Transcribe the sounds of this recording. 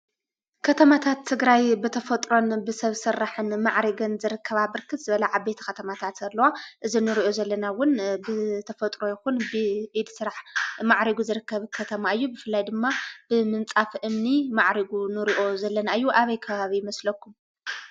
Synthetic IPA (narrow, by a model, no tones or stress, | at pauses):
kʰɐt̪ʰɐmat̪ʰat̪ʰːɨɡɾajbɨt̪ʰɐfɐt̪ʼɾo̞nbɨsɐβsɨɾːaħɨnmaʕɾiɡɐnzɨɾɨkʰːɐβabɨɾkʰɨt̪zɨβɐlaʕabe̞t̪ʰɐ̥xɐt̪ʰɐmat̪ʰat̪ɐlːɐwaʔɨzinɨɾiʔo̞zɐlːɐnawʊnbɨt̪ʰɐfɐt̪ʼɾo̞jɪxunbɨʔid̪sɨɾaħmaʕɾiɡuzɨɾɨkʰːɐβkʰɐt̪ʰɐmaɨjːubɨfɨlːajd̪ɨmːab̥ɨmɨnt͡sʼafʔɨmnimaʕɾiɡunɨɾiʔo̞zɐlːɐnaɨjːuʔaβɐjkʰɐβaβijɪmɐslɐkʰːum